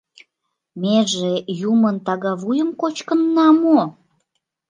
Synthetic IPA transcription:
meʒejumənt̪ɑɣɑβujəmkot͡ɕkənːɑmo

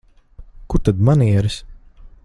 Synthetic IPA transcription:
kuɾt̪ad̪maniɛɾis

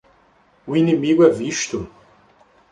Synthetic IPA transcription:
ʊinemiɡʊɛviʃt̪ʊ

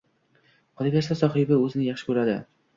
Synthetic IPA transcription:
qʰɒd̪ɪpʲast̪asɒχɪbɪɵzɪnɪjɑχʃɪkʰɵɾad̪ɪ

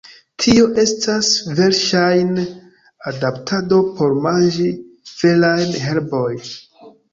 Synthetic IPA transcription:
tʰio̞ʔe̞stʰasve̞ɾʃajn | adaptʰado̞pʰo̞ɾmand͡ʒi | v̥e̞lajnɦe̞ɾbo̞j

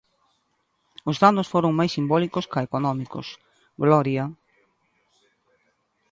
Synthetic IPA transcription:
ʊzðanʊsfoɾʊŋmajsːimbɔlikʊskaekonɔmikʊ̰s | ɡlɔɾja

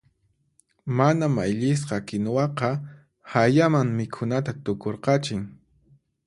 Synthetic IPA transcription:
manamajʎɪs̬qɑkɪnwɑqɑ | hajamaŋmɪkʰʊnat̪at̪ʊkoɾqɑt͡ʃɪŋ

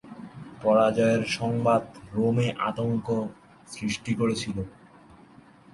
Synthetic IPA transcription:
pɔɾad͡ʑɔeɾʃɔŋbad̪ɾomeʔa̰t̪oŋko | sɾiʃʈikoɾet͡ɕʰilo

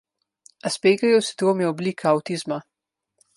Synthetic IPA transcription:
aspeːɡajɔwsi̥d̪ɾoːmjiɔbliːkʰaɐwt̪iːzma

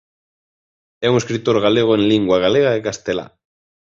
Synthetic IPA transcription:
ɛuŋeskɾit̪oɾɣaleɣ̞oẽŋliŋɡwaɣaleɣ̞aekast̪ela̰

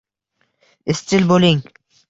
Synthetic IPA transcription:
ɪst͡ʃɪlbolɪŋ

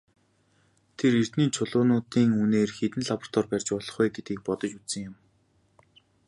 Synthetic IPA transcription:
t̪ʰerer̥t̪niːt͡ɕʰʊɮʊːnʊːt̪iːŋuneːrxet̪ɘ̆nɮapr̥t̪ʰɔrpærʲt͡ɕpɔɮɞ̥̆χʊjɡet̪ɡiːk̚pɔt̪ɞ̆t͡ɕut͡ssə̆ŋjʊm

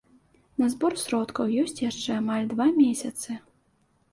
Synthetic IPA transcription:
nɐzbɔrsɾɔt̪kɐwjɔsʲt͡sʲjaʂt͡ʂɛamalʲd̪vamʲesʲɐt̪sɨ

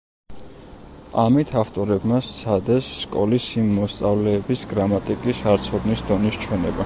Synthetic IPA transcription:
amit̪ʰaft̪ʼɔɾɛbmast̪sʰad̪ɛsːkʼɔlisimːɔst̪sʼavlɛːbisɡɾamat̪ʼikʼisaɾt̪sʰɔd̪nisd̪ɔnist͡ʃʰwɛnɛba

